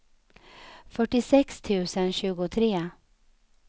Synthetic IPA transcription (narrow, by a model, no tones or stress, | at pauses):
fœʈːɪsɛkst̪ʰʉ̟ːsənɕʉ̟ːɡʊt̪ʰɾeː